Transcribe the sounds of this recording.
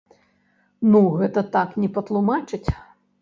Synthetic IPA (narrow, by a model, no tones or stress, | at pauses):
nuɣɛt̪ɐt̪aknʲɛpɐt̪lˠumat͡ʂɨt͡sʲ